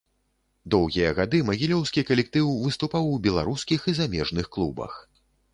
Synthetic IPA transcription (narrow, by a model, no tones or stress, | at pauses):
d̪ɔwɣʲijɐɣad̪ɨmɐɣʲilʲɔwskʲikɐlʲɛk̚t̪ɨwvɨst̪upawːbʲɛlˠa̰ɾuskʲixizamʲɛʐnɨxklˠubɐ̰x